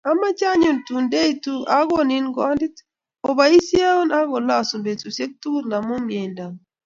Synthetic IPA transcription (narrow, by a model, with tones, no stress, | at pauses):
a˦ma˦t͡ʃa˦ɲu˨ntu˨nde˦i˦tu˦a˦ɡo˦ni˦nɡɔ˦ndi˦t | o˨ba˨i˦si˦a˦u˦na˦ɡo˨la˦˨su˨mbe˨tu˨se˦k̚tu˦ɾna˨mu˦mje˨nda˨m